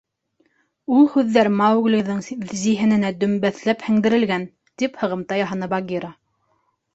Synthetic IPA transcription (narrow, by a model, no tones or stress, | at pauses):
ulˠhʉðːæɾmɑwɣlʲĭðːɤɴziɦɘ̆nɘ̆næd̪ɵ̆mbæθlæphɘ̆ŋd̪ɘ̆ɾɘ̆lɡæn | t̪iphɤ̆ʁɤ̆mt̪ɑjɑɦɑnɤbɑɡʲiɾɑ